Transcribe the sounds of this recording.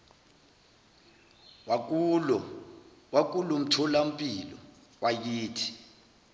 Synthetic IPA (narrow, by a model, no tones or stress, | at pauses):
wak̬ʼulum̩tʰɔlam̩pʼilɔ̰ | wʔakiːtʰi̥